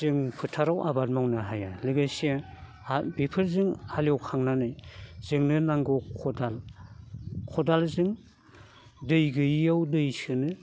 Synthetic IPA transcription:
zɯŋpʰɯtʰaɾawʔa̰bat̚mawnaɦajaliɡajse | abipʰɯɾzɯŋhaljɔwkʰaŋnanɯjz̥ɯŋnɯnaŋɡɔkʰɔdal | kʰɔdalzɯŋ | dɯjɡɯjawdɯjsɯnɯ

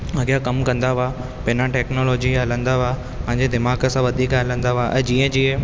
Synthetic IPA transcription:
ɐɡjakɐmkɐ̃nd̪aʋa | pɪnãʈɛːknoːloːd͡ʑiɦɐlə̃nd̪aʋa | pɐ̃ɦɪ̃ɲd͡ʑed̪ɪmaːɡəsãʋɐd̪ʱiːkɦɐlə̃nd̪aʋaʔɛ̰̃ːd͡ʑiːə̃d͡ʑiːə̃

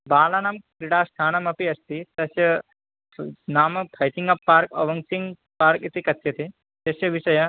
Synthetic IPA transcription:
baːlaːnaːmkɾiɽaːst̪ʰaːnɐmɐpiɐst̪it̪ɐsjɐ | naːmɐpʰɐjt̪iŋɡɐpːaːɾkɐʋɐŋsiŋ | paːɾkit̪ikɐt̪ːjɐt̪i | t̪ɐsjɐʋiʃɐjɐ

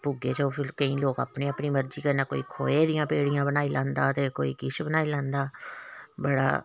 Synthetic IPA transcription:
puɡeːt͡ʃəoːpʰɪɾkəĩːloːkə̰pneːəpniːməɾd͡ʒiːkənaːko̰ːikʰo̰ːeːd̪ɪjãːpeːɽɪjãːbənaːilãːnd̪aːt̪eːkoːḭːkɪʃʰbənaːilãːnd̪aː | bəɽa̰ː

